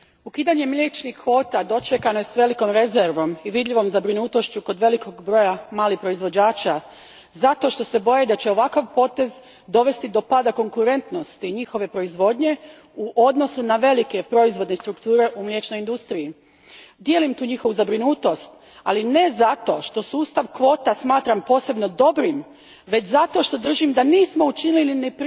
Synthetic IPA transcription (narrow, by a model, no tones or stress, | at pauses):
ukiːd̪aɲe̞mʎʲet͡ʃnixːo̞ːt̪ad̪o̞t͡ʃekano̞jesʋe̞liko̞mɾe̞zeɾʋo̞miʋid̪ʎiʋo̞mzabɾinuːt̪o̞ʃt͡ɕuko̞d̪ʋe̞liko̞ɡbɾo̞jamaːlipɾo̞izʋo̞d͡ʑaːt͡ʃa | zat̪o̞ʃt̪o̞se̞bo̞jed̪at͡ɕe̞o̞ʋakaʋpo̞ːt̪e̞z | d̪o̞ʋe̞st̪id̪o̞paːd̪ako̞ŋkuɾe̞nt̪no̞st̪iɲixo̞ʋe̞pɾo̞izʋo̞d̪ɲe̞ | uʔo̞d̪no̞sunaʋe̞like̞pɾo̞izʋo̞d̪ne̞st̪ɾukt̪uːɾe̞ʔumlʲjet͡ʃno̞jind̪ust̪ɾii | d̪je̞ːlimt̪uːɲixo̞ʋuzabɾinuːt̪o̞st̪ | aline̞zat̪o̞ʃt̪o̞suːst̪aʋkʋo̞ːt̪asmaːt̪ɾampo̞ːse̞bno̞d̪o̞bɾim | ʋe̞t͡ɕzat̪o̞ʃt̪o̞d̪r̩ʒimd̪aniːsmo̞ut͡ʃinililinepɾ